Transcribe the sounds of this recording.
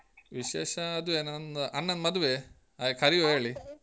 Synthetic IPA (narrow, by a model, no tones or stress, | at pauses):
ʋiʃeːʃɐɐd̪uʋeːnɐnʔɐnːɐnmɐd̪uʋe | akʰɐɾijoɦeːɭi